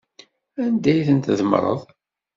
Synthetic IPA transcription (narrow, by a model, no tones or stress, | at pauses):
ænd̪æjθənt̪ðəmɾˤə̰ðˤ